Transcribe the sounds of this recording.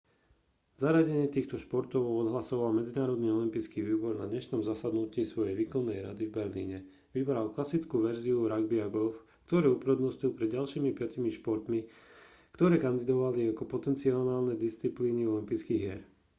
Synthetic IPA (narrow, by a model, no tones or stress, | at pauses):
zaɾaɟɛɲɪɛt̪iːxt̪ɔʃpɔɾt̪ɔʊɔd̪ɦlasɔʋalmɛd͡zinaːɾɔd̪niːɔlimpiːt͡skiːʋiːbɔɾna̰d̪ɲɛʃnɔmzasad̪nuciːsʋɔjɛjʋiːkɔnːɛjɾa̰d̪ivbɛɾlḭːɲɛ | ʋibɾalklasit͡skuːʋɛɾziuɾaɡbiaɡɔlf | kt̪ɔɾɛːupɾɛd̪nɔscilˠpɾɛd̪ɟalʃiːmipɪacimiʃpɔɾt̪mi | kt̪ɔɾɛːkand̪id̪ɔʋaliakɔpɔt̪ɛnt͡siɔnaːlnɛd̪ist͡sipliːniɔlimpiːt͡skiːɣjɛɾ